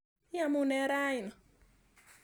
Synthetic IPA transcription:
ja˨mu˨nɛ˦ɾa˦i˨nɔ˨

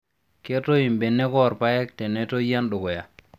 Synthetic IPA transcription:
ke˦to˦i˨mbe˨nːɛ˦kɔ˦˨ɾpa˦jɛ˦k̚tɛ˨nɛ˨to˦ja˦nɗʊ˨ɡɔ˨ja˨

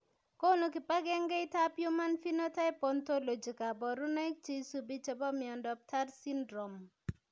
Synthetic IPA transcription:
ko˦no˨kɪ˨pa˦ɡɛ˦ŋɡe˦i˦ta˦pju˦ma˦nfi˦no˦ta˦i˦pɔ˦nto˦lo˨d͡ʒi˨ka˨bɔ˨ɾu˦na˦jk̚t͡ʃi˦su˨bi˦t͡ʃe˨bɔ˦mɪ˨ɔ˨ndɔ˨p̚tʰa˦ɾsi˦ndɾo˨m

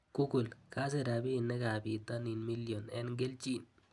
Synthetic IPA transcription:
kʊ˦kʊ˨lka˦s̬ɛ˨ɾa˨bi˦˨nːɛ˦ka˨bi˨t̪a˦ni˨nmi˦ljɔ˨nɛ̰˦nɡe˦lt͡ʃi˦n

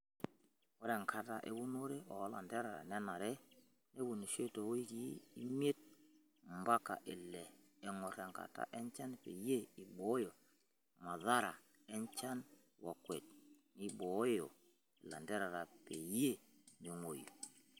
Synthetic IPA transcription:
wɔ˨˦ɾɛ˨ŋkʰa˨ta˨ʔe˨bu˦no˦ɾe˦ʔɔ˨˦la̰˨ndɛ˦ɾa˨ɾa̰˨nɛ˦na˨ɾe˦ | ne˦bu˨ni˨ʃe˦to˨wi˦ki˦i˦me˦t̚ | mba˦ka̰˨ʔɪ˨lːɛː˨ | ŋɔ˨ɾɛ˨ŋka̰˨ta̰˨ʔɛ˦nt͡ʃa˦n˨pe˨je˦˨i˨bo˨˦jo˨ | ma˨ða˦ɾa˨ | ɛ˦nt͡ʃa˦n | wa˨kwe˨t̚ | ni˦bo˨˦jo˨ | i˨la̰˨ndɛ˦ɾa˨ɾa˨pe˨je˦˨ne˨ŋo˨jo˨

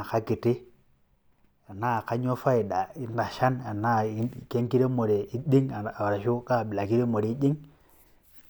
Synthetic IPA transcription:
ka˦ki˨ti˦ | a˨na˦˨ka˦ɲo˦fa˦i˨ɗa˨i˦nda˨ʃa˦na˨na˦˨˦ke˦ŋki˦ɾe˦mo˨ɾe˨i˦di˦ŋa˨a˨wa˨ɾa˨ʃu˦ka˦˨bi˨la˨ki˦ɾe˦mo˨ɾi˨˦d͡ʒi˦ŋ

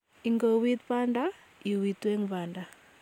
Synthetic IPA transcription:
iŋɡɔ˨wi˦t̪pa˦nda | i˨wi˨t̪wɛ˦ŋβanda˨

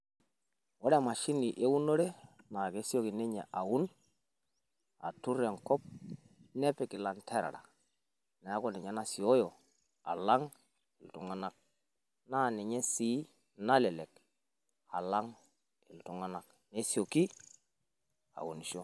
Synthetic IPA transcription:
wɔ˦ɾɛ˦˨ma˨ʃi˦ni˨ʔe˦wu˦no˦ɾe˦ | na˨ke˦sjo˦ki˨ne˦ɲɛ̰˨ʔa˨ʊ˦n | a̰˨tu˦ɾja˨ŋkɔ˦p̚ | nɛ˦pɪ˨kɪ˨la˨ntʰɛ˦ɾa̰˨ɾa̰˨ | nɛ˨a˦kɔ˦nɪ˨ɲɛ˦na˨si˨ɔ˦jɔ˨ | a̰˨la˦ŋ | ɪ˨ltʊ̰˨ŋa˦na˨k̚ | na˦˨nɪ˨ɲɛ˦siː˦ | na˦lɛ˨lɛ˨k̚ | a̰˨la˦ŋ | ɪ˨ltʊ˨ŋa˦na˨k | ne˦sjo˨ki˦ | a̰˨ṵ˨ni˨ʃo˦

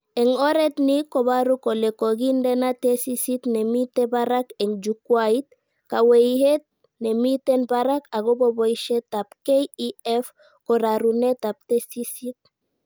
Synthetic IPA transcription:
ɛ˨ŋɔ˦ɾe˦t̪ni˦ko˨βaɾu˦ko˨le˨ko˨ɡi˦ndɛ˦natesi˦sit̪ne˨mite˦baɾake˨ŋd͡ʒukwait̪̚ | ka˨weihe˦t̪̚ | ne˨mi˦te˦nbaɾa˦ka˨ɡo˦bo˦boiʃe˦t̪apkeiɛf | ko˨ɾaɾune˦t̪a˨p̚t̪esisit̪̚

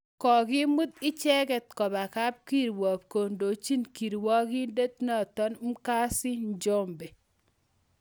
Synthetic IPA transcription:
kɔ˨ɡɪ˦mu˦t̪ɪ˦t͡ʃɛ˦kɛ˨t̪̚kɔ˨ba˨ka˦p̚ki˦˨ɾwɔ˨p̚ko˨ndo˨t͡ʃi˦nki˨ɾwɔ˦ɡɪ˦nde˦t̪nɔ˦˨t̪ɔ˦nm̩˦ka˦sɪ˦n˦d͡ʒɔ˦mbe˨

